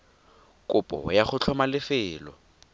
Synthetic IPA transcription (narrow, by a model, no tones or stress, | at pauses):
kʼʊpʼɔ̰jaχʊt͡ɬʰɔmalɪfɪːlɔ̰